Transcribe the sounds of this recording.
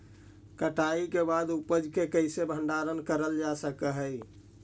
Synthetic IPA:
kəʈaikebad̪upəd͡ʒkekəɦsebʱə̃ɳɖaɾənkəɾəld͡ʒasəkəɦəj

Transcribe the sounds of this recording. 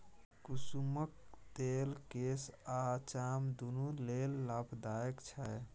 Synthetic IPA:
kusumək̚t̪elkesat͡ʃamd̪unulelːapʰd̪ajəkt͡ʃʰɛj

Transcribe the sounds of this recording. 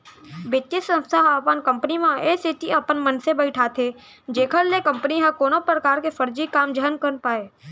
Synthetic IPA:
bɪt̪ːɪsə̃nst̪ʰaɦɐpənkə̃mpənimãesiʈiɐpənmənsebəɪʈʰaːt̪ʰe | d͡ʒeːkʰəlːekə̃mpəniɦɐkoːnopɾəkaːɾkefʰəɾd͡ʒikaːmd͡ʒənkəɾnpaːeː

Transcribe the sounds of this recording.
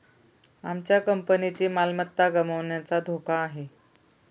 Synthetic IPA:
amt͡ɕjakəmpənit͡ɕiːmalmət̪ːaɡəməʋɳjat͡sad̪ʱokaːɦe

